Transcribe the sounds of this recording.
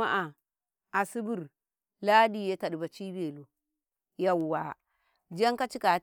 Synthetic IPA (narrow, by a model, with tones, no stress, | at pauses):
a˦ʔa˨ | a˨si˦bu˨ɾ | la˦di˦˨je˦ta˨ɗba˨t͡ʃi˦be˨lu˨ | ja˨wwa˨ | d͡ʒa˦ŋka˦t͡ʃi˦ka˨